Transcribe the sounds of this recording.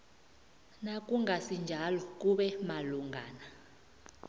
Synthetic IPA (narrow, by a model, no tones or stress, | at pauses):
nakʼuŋʱasind͡ʒʱalɔk̬ʼuɓɛmaluŋɡʱa̰ːna